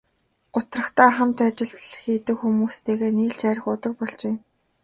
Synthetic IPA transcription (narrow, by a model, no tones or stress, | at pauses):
ɢ̥ʊt̪rə̆χt̪aːχamt̪at͡ɕɪ̆ɮt̪ɮxiːt̪ɘ̆kxumuːst̪ʰeːɣeːniːɮt͡ɕæːɾʲɪ̆χʊt̪ə̆k̚pɔɮt͡ɕeːm